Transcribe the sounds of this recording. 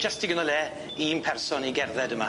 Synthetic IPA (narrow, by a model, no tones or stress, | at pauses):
d͡ʒɐstʰiɡənɔlˠɛː | iːmpʰɛrsɔniɡɛrðɛdəma